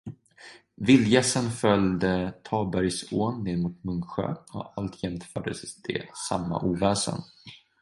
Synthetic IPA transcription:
vɪljɛsənfœld̪ət̪ʰɑːlbœɾjsoːnːeːd̪muːt̪mɵŋɧø̰ːɔalt̪ʰjɛmt̪fœːɖəst̪ʰɪsamːa̰ʔuːvæːʂə̰n

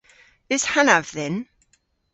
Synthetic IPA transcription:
ɪz̥hanavðɛn

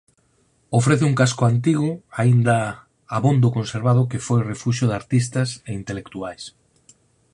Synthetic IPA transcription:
ofɾeθɪuŋkaskʊant̪iɣ̞ʊaind̪ɐ | aβond̪ʊkõnseɾβað̞ʊkefojrefuʃʊðaɾt̪ist̪ɐseint̪elekt̪uajs

